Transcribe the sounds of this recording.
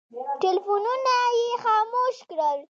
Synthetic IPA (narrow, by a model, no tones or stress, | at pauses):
ʈelfununajexɑːmoʃkɽəl